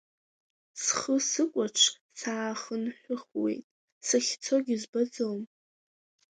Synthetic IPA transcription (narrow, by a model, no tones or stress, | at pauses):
sχəsɨkʷʼaʈ͡ʂʰ | saːχənħʷᶣʊχwe̞̰jtʼ | saχʲt͡sʰoɡʲɪzbad͡zowm